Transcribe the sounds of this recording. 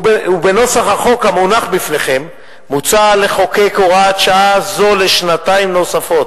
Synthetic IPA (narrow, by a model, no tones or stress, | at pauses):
ube̞no̞saχaχo̞khamonaχbifne̞χe̞mː | ut͡sale̞χo̞kejkoʁat̪ʃaazo̞leʃnataimno̞safo̞t̪